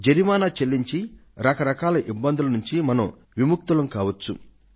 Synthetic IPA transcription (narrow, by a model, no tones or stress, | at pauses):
d͡ʒeɾimaːnaːt͡ʃelːiɲt͡ʃiɾɐkɐɾɐkaːlɐʔibːɐnd̪ulɐnuɲt͡ʃimɐnɐm | ʋimuk̚t̪ulɐmkaːʋɐt͡ʃːṵ